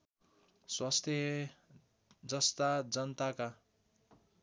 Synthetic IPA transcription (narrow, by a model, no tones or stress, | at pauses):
swast̪ʰje | d͡zʌst̪ad͡zʌnt̪aka